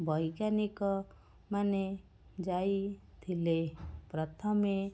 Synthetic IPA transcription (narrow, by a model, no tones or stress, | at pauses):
bʱɔjɡanikɔ | mane | d͡ʒajt̪ʰilepɾɔt̪ʰɔme